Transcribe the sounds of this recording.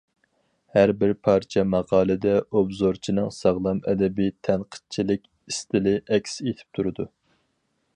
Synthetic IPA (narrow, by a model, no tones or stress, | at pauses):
hæɾbɪɾpʰɑɾt͡ʃʰɛmɑʁɑːlˠɨd̪ɛʔobzoɾt͡ʃʰinɨŋsɑʁlˠɑmɛd̪ɛbɪt̪ʰænqʰə̥t͡ʃʰilɪkʲ | ist̪ɪlɪʔɛkʲset̪ʰɪ̥p̚t̪ʰuɾɨd̪u